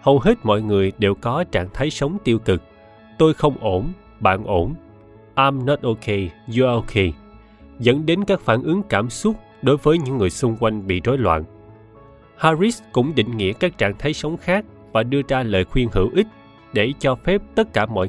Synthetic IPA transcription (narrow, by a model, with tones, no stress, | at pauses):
hə˧wɦe˦˥t̚mɔ̰˧˨jŋɨ˨˩əjɗe˨˩wkɔ˨˦t͡ɕa̰ː˧˨ŋt̪ʰaː˨˦jsə˨˦wŋ͡mt̪i˧əwkɨ˨˩k̚ | t̪o˧jxə˧wŋ͡mʔo˧˩n | ɓa̰ː˧˨nʔo˧˩n | ʔaː˧mnɔ˦˥t̚ʔo˧ke˧zu˧ʔo˧kʰe˧ | zə̰˧˥nɗe˨˦nkaː˦˥k̚faː˧˩nʔɨ˨˦ŋkaː˧˩msʊ˦˥t̚ | ɗo˨˦jvəː˨˦jɲɨ̰˧˥ŋːɨ˨˩əjsʊ˧ŋ͡mkwa˧jŋ̟ɓḭ˧˨no˨˦jlwa̰ː˧˨n | haː˧zi˦˥skʊ̰˧˥ŋ͡mɗḭ̈˧˨ŋ̟ŋḭ˧˥əkaː˦˥k̚t͡ɕa̰ː˧˨ŋt̪ʰa˨˦jsə˨˦wŋ͡mxaː˦˥k̚ | vaː˨˩ɗɨ˧əzaː˧lə̰ː˨jxwi˧ənhḭ˧˩wʔï˦˥k̟̚ | ɗe˧˩t͡ɕɔ˧fɛ˦˥p̚t̪ə˦˥t̚kaː˧˩mɔ̰˧˨